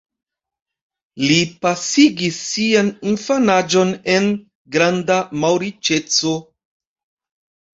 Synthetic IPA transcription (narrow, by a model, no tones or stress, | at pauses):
lipasiɡisːianinfanad͡ʒo̞ne̞n | ɡɾandamawɾit͡ʃe̞t͡so̞